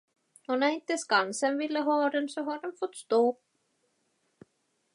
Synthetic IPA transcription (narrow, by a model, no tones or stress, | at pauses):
hunajnt̪ɪskansɛmvɪlːɪɦɔːɾɪnsɔɦaɾɛnfɔt̪st̪oː